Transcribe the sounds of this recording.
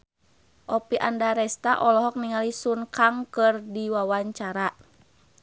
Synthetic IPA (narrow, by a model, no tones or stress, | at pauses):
ʔɔpiʔandaɾɛst̪aʔɔlɔɦɔk̚niŋalisunkaŋkɨrdiwawaɲt͡ʃaɾa